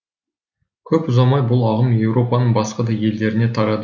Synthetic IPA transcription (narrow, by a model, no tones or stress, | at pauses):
kʲʰɵpʊzɑmɑjbʊlˠɑʁəmje̞wɾo̞pɑnəɴbɑsqɑd̪ɑje̞ld̪e̞ɾɪne̞t̪ʰɑɾɑd̪ə